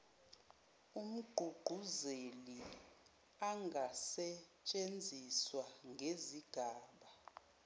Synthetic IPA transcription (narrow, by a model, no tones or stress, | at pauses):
um̩ɡ͡ǃ̥ʱuɡ͡ǃ̥ʱuzeli | aŋʱasɛt͡ʃʼend͡zʱiswaŋʱeziɡ̥ʱaːɓa